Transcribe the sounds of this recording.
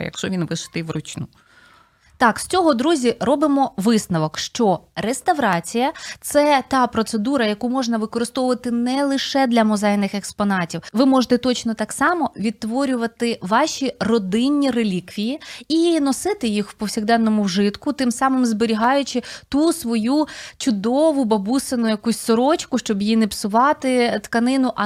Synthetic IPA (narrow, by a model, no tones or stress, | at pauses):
jɐ̰kʃɔʋʲinʋɪʃɪ̥t̪ɪʋrʊt͡ʃnu | t̪ɑksʲt͡sʲɔɦɔd̪ɾuzʲirɔbɪmɔʋɪsnɐʋɔkʃt͡ʃɔrest̪ɐʋɾɑt͡sʲijɐt̪sɛt̪ɑpɾɔt̪sed̪uɾɐjɐkumɔʒnɐʋɪkɔɾɨst̪ɔʋʊʋɐt̪ɪnɛlˠɪʃɛd̪lʲɐmɔzɛjnɪxekspɔnɑtʲiwʋɪmɔʒet̪ɛt̪ɔt͡ʃnɔt̪ɑksɑmɔʋʲid̪̚t̪ːʋɔɾʲʊʋɐt̪ɪʋɑʃʲirɔd̪ɪnʲːirelʲikʋʲijiinɔsɪt̪ɪjixwpɔwsʲiɣd̪ɛnːɔmʊwʒɪt̪kʊt̪ɪmsɑmɪmzbeɾʲiɦɑjʊt͡ʃɪt̪usʋɔjut͡ʃʊd̪ɔʋʊbɐbusenʊjɐkusʲsɔɾɔt͡ʃkʊʃt͡ʃɔbjinɪpsʊʋɑt̪ɪt̪kɐnɪnʊʔɐ